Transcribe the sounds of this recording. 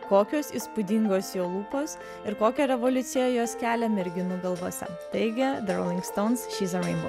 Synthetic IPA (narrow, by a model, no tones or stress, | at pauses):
koːkʲoːsiːspʊd̪ʲɪŋɡoːsjoːlˠuːpoːs | ɪɾkoːkʲɛɾʲɛʋɔlʲʊt̪sʲɪjɛjoːskʲæːlʲɛmʲɛɾʲɡʲɪnuɡɐlˠʋoɔsʲɛ̰t̪ɐɪɡʲɛd̪ɐɾo̰lʲɪŋkst̪ɔʊnsʃʲiːzɐɾɛɪnbɔ